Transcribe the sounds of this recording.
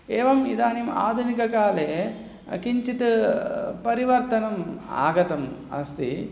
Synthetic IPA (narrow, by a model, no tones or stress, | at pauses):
eːʋɐmḭd̪aːnima̰ːd̪ʱunikɐkaːleː | kiɲt͡ʃit̪ɨpɐɾiʋɐɾt̪ɐnɐma̰ːɡɐt̪ɐmɐ̰st̪i